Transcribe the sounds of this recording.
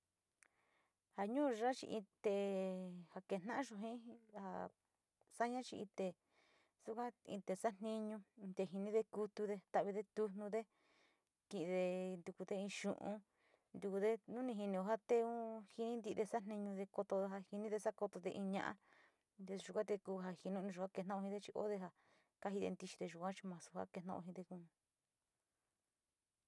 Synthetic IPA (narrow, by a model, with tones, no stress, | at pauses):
ha˨ɲũː˦˧ʐa˦t͡ʃḭ˧ʔĩ˧t̪e˧ha˧ke˧˨n̥ã˦ʔã˦ʃõ˧ɦĩ˦ha̰˧˨ | sa˦ɲã˦t͡ʃi˧i˧t̪e˨ | su˦kʷã˦ḭ̃˧t̪e˨sa˦n̥ĩ˧ɲũ˧d̪e˧ɦi˧nĩ˦ðe˧ku˧t̪u˧ðe˧t̪a˧˨βi˧ðe˧t̪u˧nnũ˧ðe˦ | kĩ˧ʔðe˧nd̪u˧ku˧ðe˧ĩ˧ʃṵ̃˨ʔṵ̃˧ | nd̪u˧ku˧ðe˦nũ˦nĩ˧ɦi˧nĩ˧o˧ɦa˦t̪e˦˧ũ˦hi˧nĩ˦nd̪i˧d̪e˧sa˦n̥nĩ˧ɲũ˧ðe˧ko˧t̪o˧ɦa˧hi˧nĩ˦ðe˧sa˦ko˧t̪o˧ðe˧ʔĩ˧ɲã̰˧ʔã̰˦ | d̪e˧ʒu˨˧kʷã˦t̪e˧kuː˧ɦa˧hi˧nũ˦˧nĩ˧ʒu˨kʷa˦ke˧nã˦˧hĩ˧ðe˦˧t͡ʃi˧o̰˦ðe˧ɦa˧ | ka˦hi˧ðḛ˧nd̪i˧t͡ʃi̥˧ðe˧ʒu˨kʷã˦t͡ʃi˧mã˨su̥˧ha̰˦ke˧nã̰˦˧ʔõ̰˧ɦĩ˧d̪e˧kũ˧